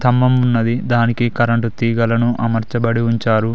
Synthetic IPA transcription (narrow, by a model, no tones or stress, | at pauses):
t̪ʰɐmːɐmunːɐd̪id̪aːnikikɐɾɐɳʈut̪iːɡɐlɐnuʔɐmɐɾt͡ʃɐbɐɽiuɲt͡ʃaːɾu